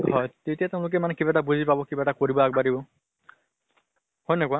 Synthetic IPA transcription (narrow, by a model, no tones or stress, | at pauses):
hɔjtetiateʊ̃lʊk̬ɛmanɛkibatabuzipabɔkibaɛtakoɹibɔak̚badibɔ | hojnɛkʊwa